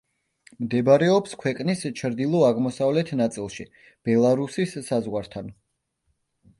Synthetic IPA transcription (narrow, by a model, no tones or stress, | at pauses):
md̪ɛbɾɛɔpskʰwɛqʼnist͡ʃʰɾd̪ilˠɔaʁmɔsavlɛt̪ʰnat̪sʼilˠʃi | b̥ɛlˠaɾusisːazʁwaɾt̪ʰan